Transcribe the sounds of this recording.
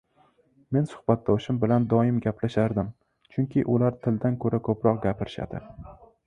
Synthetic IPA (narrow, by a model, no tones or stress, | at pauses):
me̞nsʊ̥hbat̪̚d̪ɒʃɪmbɪland̪ɒɪmɡʲapʰlaʃaɾd̪ɪm | t͡ʃʰʊŋkʲʰɪʔʊlaɾt̪ʰɪld̪ankʰɵɾakʰɵpɾɒqɡʲapʰɪɾɪʃa̰d̪ɪ̰